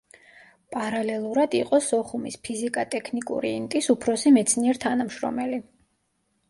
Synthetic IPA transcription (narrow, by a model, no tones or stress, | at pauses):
pʼaɾalɛlˠuɾad̪iqʼɔsɔχumispʰizikʼat̪ʼɛkʰnikʼṵɾiːnt̪ʼisupʰɾɔsimɛt̪sʰniɛɾt̪ʰanamʃɾɔ̰mɛli